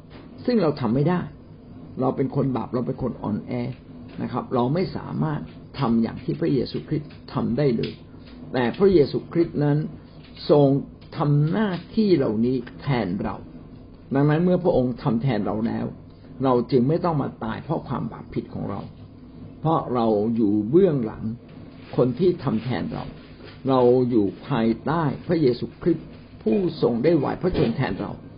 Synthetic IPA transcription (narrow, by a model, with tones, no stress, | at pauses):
sɯ˥˩ŋɾa˧wt̪ʰa˧mːa˥˩jdaː˥˩j | ɾa˧wpe˧nkʰo˧nba̰ː˨˩p̚ɾa˧wp̬e˧nkʰo˧nʔɔ̰ː˧nʔɛː˧ | na˦˥kʰɾa˦˥p̚ɾa˧wma˥˩jsa̰ː˩˦maː˥˩t̪ʰːa˧mja̰ː˨˩ŋt̪ʰiː˥˩pʰɾa˦˥˩jeː˧suː˧kʰɾi˦˥t̪ʰːa˧mdaː˥˩jlɤ̰ː˧j | t̪ɛː˨˩pʰɾa˦˥jeː˧suː˧kʰɾi˦˥t̪̚na˦˥n | so˧ŋ | t̪ʰa˧mnaː˥˩t̪ʰiː˥˩ɾa̰˧wniː˦˥t̪ʰɛː˧nɾa̰˧w | da˧ŋna˦˥nmɯ˥˩ɐpʰɾa˦ʔo˧ŋt̪ʰa˧mt̪ʰɛː˧nɾa˧wlɛ̰ː˦˥w | ɾa˧wt͡ɕɯ˧ŋma˥˩jt̪ɔ˥˩ŋma̰ː˧t̪aː˧jpʰɾɔ˦˥kʰwa̰ː˧mba̰ː˨˩ppʰːi˨˦˩t̪̚kʰɔ̰ː˩˦ŋɾa̰˧w | pʰɾɔ˦˥ɾa˧wjuː˨˩bɯ˥˩əŋla̰˩˦ŋ | kʰo˧nt̪ʰiː˥˩t̪ʰa˧mt̪ʰɛ̰ː˧nɾa̰˧w | ɾa˧wjuː˨˩pʰaː˧jt̪aː˥˩jpʰɾa˦˥jeː˧suː˧kʰɾi˦˥t̪̚ | pʰuː˥˩so˧ŋdaː˥˩jwa̰˨˩˦jpʰɾɔ˦˥so˧ŋt̪ʰɛ̰ː˧nɾa̰˧w